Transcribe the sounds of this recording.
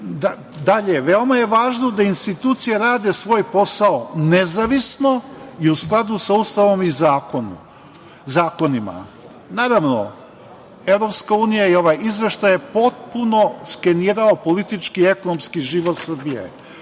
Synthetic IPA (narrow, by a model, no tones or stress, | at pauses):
d̪a | d̪aʎeʋeo̞maje̞ʋaːʒnod̪ainst̪it̪uːt̪sijeɾaːd̪e̞sʋo̞ːjpo̞saonezaʋisno̞iusklˠad̪usaust̪aʋo̞mizaːko̞nṵ | zaːko̞nima̰ | naːɾaʋno̞̰ | e̞ʋɾo̞pskauːnijaio̞ʋajizʋe̞ʃt̪ajepo̞t̪̚puno̞ske̞niːɾaopo̞lit̪it͡ʃkie̞ko̞nomskiʒiʋo̞t̪sr̩bijḛ